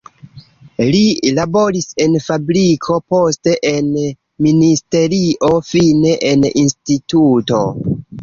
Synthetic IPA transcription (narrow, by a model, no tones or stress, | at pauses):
lilabo̞ɾise̞nfabɾikʰo̞po̞ste̞ʔen | ministe̞ɾiʔo̞fine̞ʔeninstituto̞̰